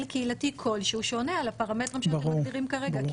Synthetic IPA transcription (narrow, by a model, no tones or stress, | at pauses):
lkeilatikʰo̞lʃeuʃo̞nealapaʁametʁimʃbɐʁudiʁimkaʁeɡa